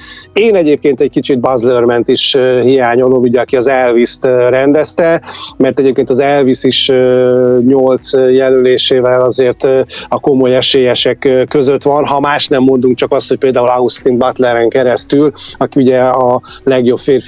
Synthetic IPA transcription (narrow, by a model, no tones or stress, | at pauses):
eːnɛɟeːp̚keːnt̪ɛckit͡ʃid̪̚bɒzlørmɛnt̪iʃɦijaːɲo̞loɡuɟɛɒkiɒzɛlvist̪rɛnd̪ɛst̪ɛmɛrt̪ɛɟeːp̚keːnt̪ɒzɛlvisiʃ | ɲo̞lt̪sjɛløleːʃeːvɛlɒzeːrt̪ːɒko̞mo̞jɛʃeːjɛʃɛkkːø̞zø̞t̪ʋɒnɦɒmaːʃnɛmːond̪uŋk̚t͡ʃɒkɒst̪ho̞c̚peːld̪aːulɒust̪iŋɡbɒt̪lɛɾɛŋkɛɾɛst̪ylɒkiuɟɛɒlɛɡjo̞bfeːrf